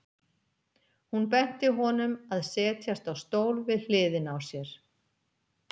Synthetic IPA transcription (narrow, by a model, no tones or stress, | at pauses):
hunpɛn̥t̪ɪɦɔnʏmaðsɛːt̪ʰjast̪awst̪oːwlvɪðl̥ɪːðɪnawsjɛɾ̥